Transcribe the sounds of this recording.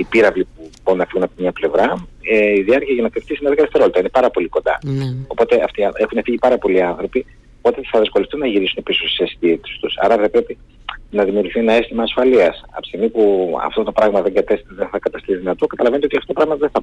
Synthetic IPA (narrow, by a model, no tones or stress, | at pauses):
ipiɾɐvlipubo̞ɾunːɐfiɣunɐpt̪mɲɐple̞vɾɐiðiɐɾciɐʝɐnɐt̪eft̪isinɐðeɡɐt̪eseɾo̞lt̪ɐinepɐɾɐpo̞likond̪ɐ̰o̞po̞t̪e̞ɐft̪iexunefiʝipɐɾɐpo̞liɐnθɾo̞pi | po̞t̪eθɐðesko̞left̪unːɐʝiɾisune̞pisossesi̥t̪it̪e̥st̪usɐ̰ɾɐθɐpɾe̞pi | nɐðimiuɾʝuθienɐest̪imɐːsfɐliɐsɐ̰pst̪imipuɐ̰ft̪o̞t̪o̞pɾɐɣmɐðeŋɡɐt̪esðeθɐkɐt̪ɐst̪isðinɐt̪o̞kɐt̪ɐlɐve̞nt̪eotiɐft̪ot̪opɾɐɣmɐðeθɐ